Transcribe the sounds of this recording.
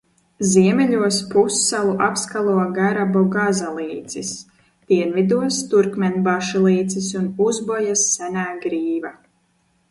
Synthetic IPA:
ziɛmɛʎuɔspusːalˠuʔapskalˠuɔɡaɾabɔɡazalˠiːt̪sis | d̪̥iɛnvid̪uɔst̪uɾkmʲɛnbaʃulˠiːt̪sisunuzbɔjasːɛnaːɡɾiːva

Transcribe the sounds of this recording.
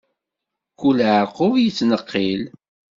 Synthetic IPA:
kːulʕəɾqʊvjət͡sːnəqːil

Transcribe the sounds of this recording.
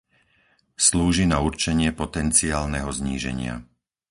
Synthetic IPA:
sluːʒinauɾt͡ʃɛɲɪɛpɔt̪ɛnt͡siaːlnɛɦɔzɲiːʒɛ̰ɲɪa̰

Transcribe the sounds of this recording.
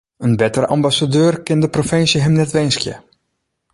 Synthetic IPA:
ənbɛtərəʔɑmbasadøːrkɪndəprofɪnsjəɦəmnɛtʋɛnskjə̰

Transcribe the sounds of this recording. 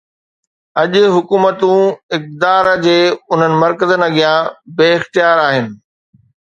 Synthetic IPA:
ɐʄʊ̆ɦʊkuːmət̪ũɪk̚d̪aːɾd͡ʑeːʊn̤ənɪ̆mɐɾkəzənɐɠijãbeːɪxt̪ijaːɾaːɦɪnɪ̆

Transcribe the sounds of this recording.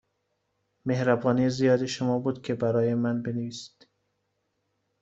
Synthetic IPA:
mehɾæbɒːniːezijɒːd̪eʃomɒːbuːd̪kʲʰe̞bæɾɒːjemænbeneviːsd̪̥

